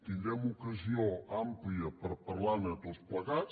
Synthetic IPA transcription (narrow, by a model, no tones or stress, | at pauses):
t̪ind̪ɾɛmukəzioampliəpəɾpəɾlanət̪ospləɣas